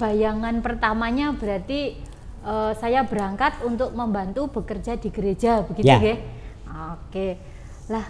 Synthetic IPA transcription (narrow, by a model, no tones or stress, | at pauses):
b̥ajaŋanpərt̪amaɲabəɾat̪i | ʔəsajabəɾaŋkat̪unt̪ʊk̚məmbant̪ub̥əkərd͡ʒadiɡəɾed͡ʒabəɡiuɡe | oke | lah